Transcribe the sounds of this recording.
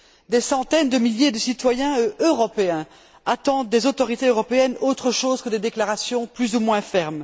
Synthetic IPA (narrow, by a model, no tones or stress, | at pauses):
d̪esɑ̃t̪ɛnd̪əmiljed̪əsit̪wajɛ̃øʁɔpeɛ̃ | at̪ɑ̃d̪d̪ezot̪ɔʁit̪eøʁɔpeɛnot̪χəʃozkəd̪ed̪eklaʁasjɔ̃plyzumwɛ̃fɛʁm